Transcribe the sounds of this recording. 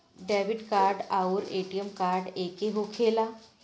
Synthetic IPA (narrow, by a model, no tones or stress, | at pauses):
ɖɛːʋɪɖkaːɾɖauɾeːʈijəmkaːɾɖeːkeɦokʰeːla